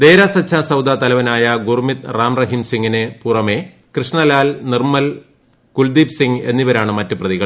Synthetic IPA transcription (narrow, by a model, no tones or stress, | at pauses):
d̪e̞ːɾasɐt͡ɕʰːaːsɐwd̪aːt̪ɐlɐʋɐnaːjɐɡurmit̪raːmrɐɦimsiŋɡinepurɐme̞ | krɨʂɳɐlaːlnirmɐl | kuld̪iːpsiŋɡe̞nːiʋɐɾaːɳɨmɐtːɨprɐðiɣɐ